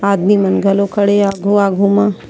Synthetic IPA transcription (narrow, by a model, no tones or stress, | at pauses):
aːd̪mimɐnɡʱəlokəɽeaːɡʱuaːɡʱumã